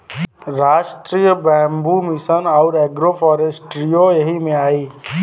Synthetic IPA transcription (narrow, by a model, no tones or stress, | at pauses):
ɾaːʃʈɾijəbɛ̃ːmbumisənaʊɾɛɡɾopʰɔːɾesʈɾijojɐɦimẽaːiː